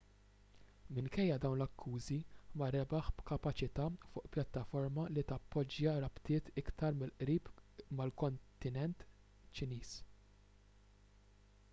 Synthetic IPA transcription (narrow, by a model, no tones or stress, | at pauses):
mɪŋkɛjːɐd̪ɐwnlɐkʰːuːzimɐɾɛbɐħbkɐpɐt͡ʃɪt̪ɐːfʊ̰ːʔpjɐt̪ːɐfɔɾmɐlit̪ɐpːɔd͡ʒjɐɾɐpt̪ɪːt̪ɪkt̪ɐɾmɪlʔɾiːpmɐlkɔnt̪ɪnɛnt̪ | t͡ʃɪniːs